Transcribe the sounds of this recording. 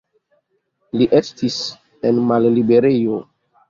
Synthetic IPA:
liʔestis | enmallibe̞ɾejo

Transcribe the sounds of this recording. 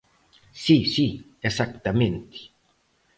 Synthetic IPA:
sisi | esakt̪ament̪i̥

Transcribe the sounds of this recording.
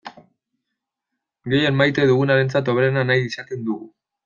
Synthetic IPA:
ɡe̞jenmajt̪e̞ðuɣ̞unaɾe̞nt͡sat̪o̞βenanajisakind̪uɣu

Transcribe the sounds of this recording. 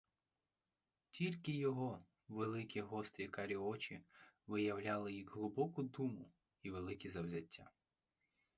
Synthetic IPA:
tʲilʲkɪjɔɦɔ | ʋelˠɪkʲiɦɔst̪ɾʲikɐɾʲiɔt͡ʃʲiʋɪjɐwlʲalˠɪjixɦlˠʊbɔkʊd̪umʊ | iʋelˠɪkʲizɐwzʲɐtʲːa

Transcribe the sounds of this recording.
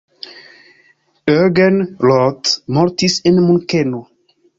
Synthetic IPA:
øɡɛnlɔt̪mɔɾt̪isɛnmũŋkɛno

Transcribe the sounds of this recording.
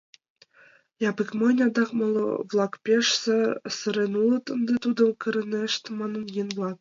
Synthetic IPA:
jɑbɯ̆kmɤnʲɑd̪ɑχmɤ̆lˠɤ̰vlˠɑkpʲeʂsɘ̆sɤ̆ɾenulˠɤ̆t̪ɤ̆nd̪ɤ̆t̪ud̪ɤ̆mkɤ̆ɾʲɘ̆nʲeʂt̪ʲmɑnɤ̆njenvlˠɑk̚

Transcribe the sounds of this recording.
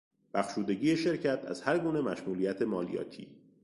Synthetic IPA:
b̥æxʃuːd̪e̞ɟiːje̞ʃe̞ɾcʰæt̪ʰæ̰z̥hæɾɡuːne̞mæʃmuːliːjæt̪ʰe̞mɒːlḭjɒ̰ːt̪ʰḭː

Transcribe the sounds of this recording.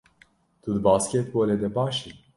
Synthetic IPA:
t̪ud̪ɨbɑːskʲɛt̪boːled̪ɛbɑːʃi

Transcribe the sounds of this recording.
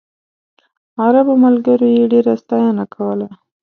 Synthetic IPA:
aɾabomalɡəɾojeɖeɾast̪ɑjanakʰawəla

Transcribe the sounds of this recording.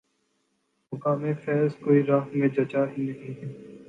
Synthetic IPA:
mʊkaːmẽfɛːzkoːiɾãːɦmẽd͡ʒɐt͡ʃaːɦinɐɦĩːɦɛː

